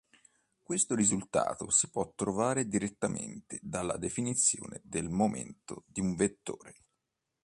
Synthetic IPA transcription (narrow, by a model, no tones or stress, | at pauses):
kwest̪oɾizult̪a̰ːt̪osipwɔt̪ːɾovaːɾed̪iɾet̪ːamḛnt̪ed̪alːa̰d̪efinit̪sːjo̰ːned̪elmomḛnt̪od̪iuɱvet̪ːoːɾe